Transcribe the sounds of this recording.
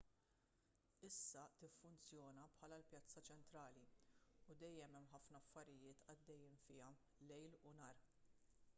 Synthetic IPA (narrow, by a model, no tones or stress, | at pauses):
ɪsːɐt̪ɪfːʊnt͡sjɔːnɐpħɐːlɐlpjɐt͡sːɐt͡ʃɛnt̪ɾɐːliud̪ɛjːɛmɛmːħɐfnɐɐfːɐɾɪjɪːt̪ʰɐd̪ːɛjːiːnfɪːɐ | lɛjlʊnɐːɾ